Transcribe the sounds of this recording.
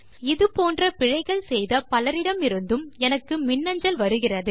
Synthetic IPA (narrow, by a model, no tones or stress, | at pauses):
ɪðɯpoːndrɐpɪɻɐɪɣɐɭsɛjðɐpɐlɐɾɪɽɐmɪɾɯnd̪ɯmɛnɐkːɯmɪnːɐɲd͡ʒɐlʋɐɾɯɣɪrɐðɯ